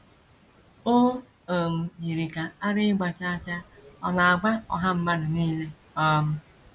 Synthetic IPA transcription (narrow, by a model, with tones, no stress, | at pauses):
o˦ | o˨m̩˨ji˨ɾi˨ka˨a˦ɾɪ˦ɡ͡ba˨t͡ʃa˦t͡ʃa˦ɔ˨na˨a˨ɡ͡ba˦ɔ̰˨ɦa˦m̩˦ma˦dʊ˨niː˦le˦ | ɔ˦m̩˦